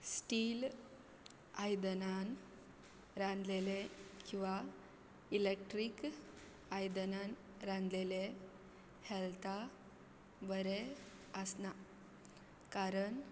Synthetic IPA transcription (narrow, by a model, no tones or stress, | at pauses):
sʈil | ajd̪ənan | ɾãnd̪lelekĩw̃ʋa | ilek̚ʈɾik | ajd̪ənan | ɾãnd̪lele | hɛlt̪ʰa | bəɾe | əsna | kaɾəɳ